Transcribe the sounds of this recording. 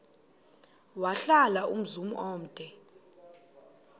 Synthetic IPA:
waɬalaʔum̩zumṵʔoːm̩d̥ʱɛ

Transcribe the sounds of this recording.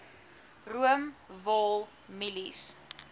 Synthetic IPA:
ruəmvɔlˠ | milis

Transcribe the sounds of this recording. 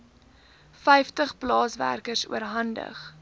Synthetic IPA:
fɛjftəχplɑːsvæ̰rkərsṵəɾɦɐndə̰χ

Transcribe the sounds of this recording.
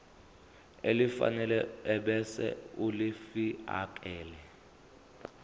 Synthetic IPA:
elifa̰nɛlɛɛɓɛsɛ̰ulifia̰kʼɛːlɛ

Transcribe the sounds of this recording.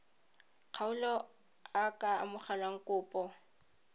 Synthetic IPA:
q͡χʰaʊlɔ | akʼa̰ːmʊχalaŋ̩kʼʊːpʼɔ

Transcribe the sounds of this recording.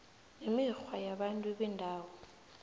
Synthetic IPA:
nemixwajaɓantʼuɓɛndʱaːwɔ

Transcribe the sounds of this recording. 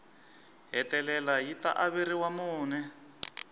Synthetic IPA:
ɦɛtɛlɛlajita̰ʔaβiɾiwamuːnɛ

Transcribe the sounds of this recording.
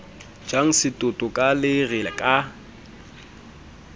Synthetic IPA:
d͡ʒaŋ̩sɪtʼʊtʼʊkʼalɪrɪkʼa

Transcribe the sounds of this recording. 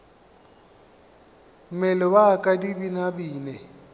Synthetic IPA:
m̩mɛlɪwakʼadibinabiːnɛ

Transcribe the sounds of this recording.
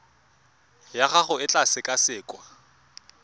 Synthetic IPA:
jaχaχʊɪt͡ɬʼasɪkʼasɪːkʼwa

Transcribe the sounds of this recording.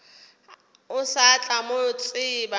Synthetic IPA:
ʊsat͡ɬʼamoʊt͡sʼɪba

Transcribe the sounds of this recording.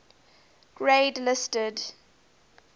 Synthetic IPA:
ɡ̥ɹedlɪstəd

